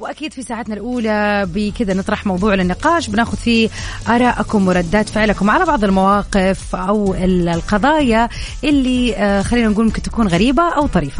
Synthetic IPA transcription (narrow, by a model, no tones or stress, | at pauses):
wʔakiːd̪fisaːʕat̪nalʔuːlabɪkɪd̪anɨt̪ˤɾˤɑħmɑwðˤuːʕlɪnːɪqɑːʃbɪnaːxʊd̪fiːʔɑɾˤɑːʔakʊmwɪɾˤɑd̪ːaːt̪fɪʕlakʊmʕalabɑʕðˤɪlmawɑːqɪfʔawɪllqɑðˤɑːjaʔɪlːixalːiːnanɡuːlmʊmkɪnt̪ḁkuːnɣaɾiːbaʔawt̪ˤɑɾiːfḁ